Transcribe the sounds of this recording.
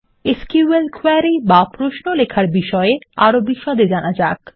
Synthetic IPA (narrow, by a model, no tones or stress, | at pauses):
eskielkʰoɾibapɾoʃnolekʰaɾbiʃɔeaɾobiʃɔd̪ed͡ʑanad͡ʑak